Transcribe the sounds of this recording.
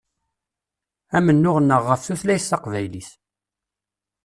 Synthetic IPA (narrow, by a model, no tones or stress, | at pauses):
æmənːʊʁənːəʁːəfθuθlæjəsθɑqvæjliθ